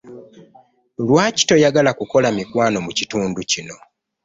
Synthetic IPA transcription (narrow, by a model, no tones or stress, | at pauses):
lwaːci̥to̞jaɡalakuko̞lamikwaːno̞mucituːnducino̞